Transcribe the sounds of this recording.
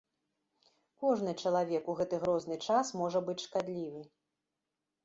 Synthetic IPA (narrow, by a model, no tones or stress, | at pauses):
kɔʐnɨt͡ʂɐlˠavʲɛkuɣɛt̪ɨɣɾɔznɨt͡ʂasmɔʐɐbɨt͡sʲʂkad̪lʲivɨ